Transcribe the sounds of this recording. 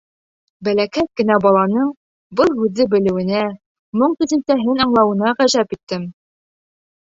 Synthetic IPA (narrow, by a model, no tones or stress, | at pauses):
bælækæt̪̚kɘ̆næbɒlˠɑnɤɴ | bɤlˠhʉðːɘbɘ̆lɘ̆wɘ̆næ | mɤɴt̪ʉzɘ̆nt̪æɦɘnɑɴlˠɑwɤ̆nɑʁæʒæpit̪ːɘm